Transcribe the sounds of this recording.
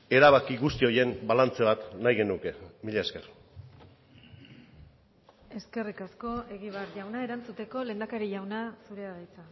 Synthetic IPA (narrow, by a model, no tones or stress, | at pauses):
e̞ɾaβakiɣust̪io̞je̞mbalant͡se̞βat̪najɣe̞nuke̞miʎeeske̞r | e̞ske̞rikasko̞e̞ɣ̞iβaɾʝawnae̞ɾant͡sut̪e̞ko̞le̞ːnd̪akaɾiʝawnasuɾeaðajt͡sa